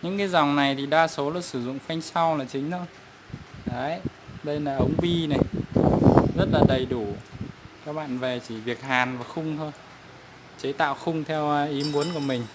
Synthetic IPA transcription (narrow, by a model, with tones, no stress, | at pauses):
ɲɨ̰˧˥ŋkaː˨˦jza˨˩wŋ͡mna˨˩jt̪ʰi˨˩ɗaː˧so˨˦la˧˩sɨ˧˩zʊ̰˧˨ŋ͡mfa˧jŋ̟sa˧wlaː˨˩t͡ɕï˨˦ŋ̟t̪ʰo˧j | ɗə˨˦j | ɗə˧jlaː˨˩ʔə˨˦wŋ͡mɓi˧na˨˩j | zə˦˥t̚laː˨˩ɗə˨˩jɗu˧˩kaː˦˥k̚ɓa̰ː˧˨nve˨˩t͡ɕi˧˩vi˨˩ək̚haː˨˩nvaː˨˩xʊ˧ŋ͡mt̪ʰo˧j | t͡ɕe˨˦t̪a̰ː˧˨wxʊ˧ŋ͡mt̪ʰɛ˧wʔi˨˦mu˨˦ənku˧˩əmï˨˩ŋ̟